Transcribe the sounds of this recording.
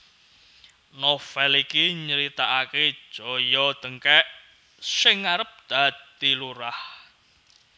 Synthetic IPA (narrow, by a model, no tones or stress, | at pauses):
nofɛlikiɲəɾit̪aʔake̥ʒ̥ɔ̤jɔd̪̥əŋkɛʔ | sɪŋaɾəp̚d̪̥ä̤d̪̥iluɾah